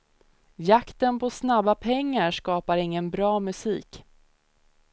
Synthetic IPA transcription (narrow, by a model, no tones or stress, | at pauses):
jakt̪ənpʰɔsnabːapʰɛŋːaɾʂkɑːpaɾɪŋːənbɾɑːmɵsiːk